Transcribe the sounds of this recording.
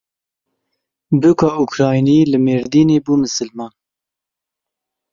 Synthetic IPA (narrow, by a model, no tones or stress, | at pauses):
bukɑːʔukɾɑːjniːlɨmeːɾd̪iːneːbuːmɨsɨlmɑːn